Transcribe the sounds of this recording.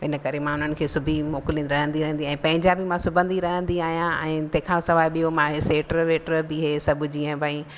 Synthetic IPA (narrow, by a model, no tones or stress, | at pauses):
ɪnə̆kɐɾemãʊn̤ənɪ̆kʰeːsʊbʱimoːkɪlĩːnɾɐɦə̃nd̪iɾɐɦə̃nd̪iɛ̃ːpɐ̃ɦɪ̃ɲd͡ʑabimãsʊbʱə̃nd̪iɾɐɦə̃nd̪iaːɦijãɛ̃ːt̪ɐ̃ɦɪ̃kʰãsɐʋaːjɓijomãɦeseːʈəɾʋeːʈəɾbɪɦeːsɐbʱʊd͡ʑiːə̃bʱaĩ